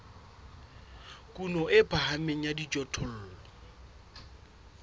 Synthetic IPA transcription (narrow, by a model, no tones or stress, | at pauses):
kʼunɔʔɪpʰʼahameŋ̩jadit͡ʃʼɔtʰɔl̩ːlɔ